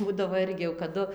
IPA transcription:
ˈbuːdɐʋoː ˈɪrʲɡʲɪ jɛʊ kɐˈdʊ

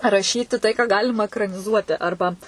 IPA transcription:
rɐˈʃʲiːtʲɪ tɐɪ kɑː ˈɡɑːlʲɪmɐ ɛkrɐnʲɪˈzuɔtʲɪ ˈɐrbɐ

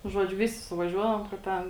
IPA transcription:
nʊ ˈʒuɔd͡ʒʲʊ ˈʋʲɪsʲɪ sʊʋɐˈʒʲuɔdɐʋoːm kɐ ˈtʲɛn

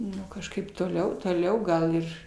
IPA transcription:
ˈnʊ kɐʃˈkɐɪp toːˈlʲɛʊ toːˈlʲɛʊ ˈɡɐlˠ ɪr

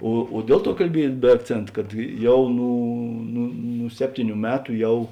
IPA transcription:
oː oː ˈdʲiɛlˠ ˌtuɔ kɐlʲˈbʲiɛj bʲɛ ɐkˈt͡sʲeːnt kɐt ˈjɛʊ ˈnuː nʊ nʊ ˈsʲæːpʲtʲiːˌnʲuː ˈmʲæːtʊ ˈjɛʊ

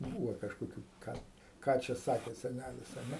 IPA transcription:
ˈbuːʋoː kɐʃkoːˈkʲuː ˈkɑː ˈkɑː t͡ʃʲɛ ˈsɑːkʲeː sʲɛˈnʲælʲɪs ɐ ˈnʲɛ

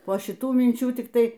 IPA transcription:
poː ʃʲɪˈtuː mʲɪnʲˈt͡ʃʲuː tʲɪkˈtɐɪ

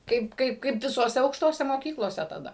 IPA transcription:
ˈkɐɪp ˈkɐɪp kɐɪp ʋʲɪsoːˈsʲɛ ɐʊkʃˈtoːsʲɛ moːˈkʲiːklˠoːsʲɛ tɐˈdɐ

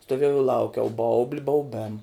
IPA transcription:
stoːˈʋʲiɛjɛʊ ɪ ˈlˠɐʊkʲɛʊ ˈbɐʊbʲlʲɪ bɐʊˈbʲeːm

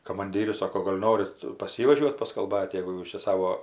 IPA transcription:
kɐmɐnʲˈdʲiːrʲʊs ˈsoːkoː ˈɡoːlʲ ˈnoːrʲɪt pɐs ˈjiː ʋɐˈʒʲuɔtʲ pɐskɐlˠˈbɐtʲ jɛɡʊ ˈjuːs t͡ʃʲɛ ˈsɑːʋoː

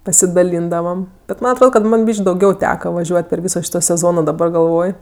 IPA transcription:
pɐsʲɪdɐˈlʲiːndɐʋɐm bʲɛt ˈmɐn ɐtˈroːt kɐt ˈmɐn ˈbʲiːʃʲkʲ dɐʊˈɡʲɛʊ ˈtʲæːkɐ ʋɐˈʒʲuɔtʲ pʲɛr ˈʋʲiːsoː ˈʃʲiːtoː sʲɛˈzoːnoː dɐˈbɐr ɡɐlˠˈʋoːj

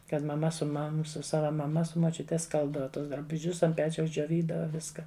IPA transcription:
kɐt mɐˈmɐ sʊ ˈmɐm ˈsʊ ˈsɑːʋɐ mɐˈmɐ sʊ moːˈt͡ʃʲʊtʲɛ ˈskɐlˠbdɐʋɐ ˈtʊs drɐbʊˈʒʲʊs ɐnt ˈpʲæːt͡ʃʲɛʊs d͡ʒʲoːˈʋʲiːdɐʋɐ ˈʋʲɪskɐ

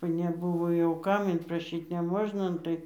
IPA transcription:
ʋɐ nʲɛˈbʊʋoː jɛʊ ˈkɐm ɪnprɐˈʃʲiːt nʲɛˈmoːʒnɐ ˈnʊ tɐɪ

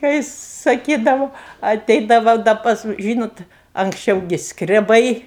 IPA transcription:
kɐɪ sɐˈkʲiːdɐʋʊ ɐˈtʲɛɪdɐʋɐ dɐ ˈpɐs ˈʒʲiːnoːt ɐŋksʲˈt͡ʃʲɛʊ ɡʲɪ skrʲɛˈbɐɪ

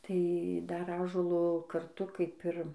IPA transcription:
tɐɪ ˈdɐr ˈɑːʒuɔlˠoː kɐrˈtʊ kɐɪp ɪr

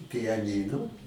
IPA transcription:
pʲɪjɛˈnʲiːnʊ

